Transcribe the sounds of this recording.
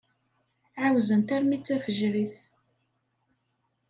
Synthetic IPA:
ʕawzənt̪æɾmit͡sːæfəʒɾiθ

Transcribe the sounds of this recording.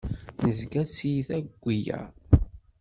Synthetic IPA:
nəzɡæt͡sːjiθæɡʷːijæ̰

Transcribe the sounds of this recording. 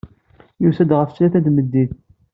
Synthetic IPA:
jusæd̪ʁəft͡ʃːlæθæd̪məd̪ːiθ

